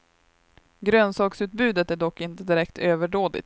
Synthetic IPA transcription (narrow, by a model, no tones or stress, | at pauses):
ɡɾøːnsɑːksʉ̟ːt̪̚bʉ̟ːd̪ət̪æɖɔkːɪnt̪əd̪ɪɾɛkt̪ʰøːvəɖoːd̪lɪ̰t̪